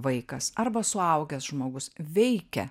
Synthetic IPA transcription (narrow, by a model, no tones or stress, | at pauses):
ʋɐɪkɐsɐrbɐsʊɐʊɡʲɛsʒmoːɡʊsʋʲɛɪkʲɛ